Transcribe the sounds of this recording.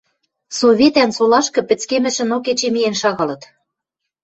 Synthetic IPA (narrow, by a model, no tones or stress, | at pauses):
soβʲet̪ænsolɑʃkɤ̆pɘ̆t͡skemɘ̆ʃɘ̆noket͡ɕemijenʃɑɣɑlɤ̆t̪